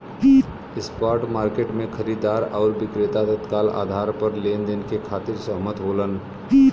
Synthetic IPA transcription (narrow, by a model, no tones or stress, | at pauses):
ɪspaːɾʈmaːɾkeːʈmẽkʰəɾiːd̪aːɾaʊɾʋɪkɾɪt̪at̪ət̪kaːla̰ːd̪ʱaːɾpəɾleːnd̪enkekʰaːt̪ɪɾsəɦmət̪ɦoːlənː